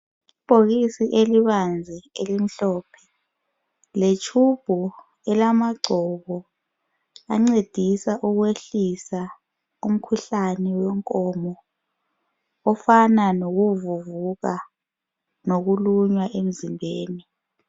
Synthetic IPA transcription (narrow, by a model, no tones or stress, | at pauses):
ib̥ʱokisiʔeliɓand͡zʱɛelim̩ɬɔːpʰɛ̥ | let͡ʃʰub̥ʱu | ɛlamaɡ͡ǀʱɔkɔ | a̰ŋ͡ǀed̥ʱisaʔuk̬weɬisa | um̩kʰuɬanɛwɛŋkʼɔːmɔ | ɔfananok̬uvuvuk̬a | nok̬uluɲwaʔem̩zimbʱeːni